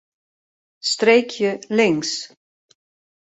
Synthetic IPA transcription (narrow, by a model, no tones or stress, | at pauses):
st̪ɾejcjʏleŋs